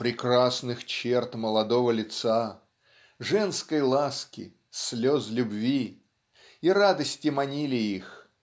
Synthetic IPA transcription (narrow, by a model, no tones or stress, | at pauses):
pɾʲɪkrasnɨxt͡ɕert̪məlˠɐd̪o̞vəlʲɪt̪sa | ʐɛnskəjlˠaskʲɪ̰ | slʲozlʲʊbvʲi | iɾad̪əsʲtʲɪmɐnʲilʲɪix